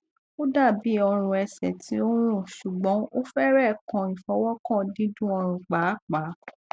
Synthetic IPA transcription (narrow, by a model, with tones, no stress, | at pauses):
o˦da˦˨bi˨˦ɔ˧ɾ̃ũ˧ɛ˧sɛ˨ti˦o˦ɾ̃ũ˦˨ʃu˨ɡ͡bɔ̃˨˦o˦fɛ˦ɾɛ˦˨kã˧˨i˨fɔ˧˦wɔ˦kã˦˨dĩ˦dũ˦ɔ˧ɾ̃ũ˨k͡pa˨˦k͡pa˨˦